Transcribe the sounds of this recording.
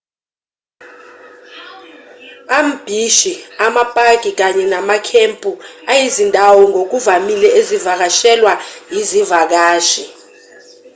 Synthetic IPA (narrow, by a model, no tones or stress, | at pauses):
am̩b̥ʱiʃiamapʼaɡ̥̬ʱʼik̬aɲɛnamakʰempʼuajizindʱawɔŋok̬uvamilɛezivak̬aʃɛlwajizivak̬aːʃi